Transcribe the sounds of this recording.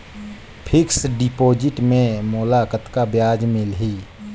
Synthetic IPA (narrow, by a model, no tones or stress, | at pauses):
pʰɪksɖɪpoːd͡ʒɪʈmẽmʊlaːkət̪kabjaːd͡ʒmɪlɦiː